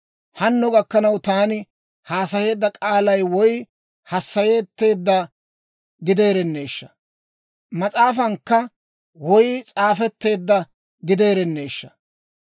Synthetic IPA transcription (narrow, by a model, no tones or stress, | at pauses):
hɐnːɔɡɐkːɐnɐwt̪aːnɪ | haːsɐje̞ːd̪ːɐkʼaːlɐjwɔj | hɐsːɐje̞ːt̪ːe̞ːd̪ːɐ | ɡɪd̪e̞ːɾɛnːe̞ːʃːɐ̥ | mɐt͡sʼaːfɐŋkːɐ | wɔjt͡sʼaːfɛt̪ːe̞ːd̪ːɐ | ɡɪd̪e̞ːɾɛnːe̞ːʃːɐ̥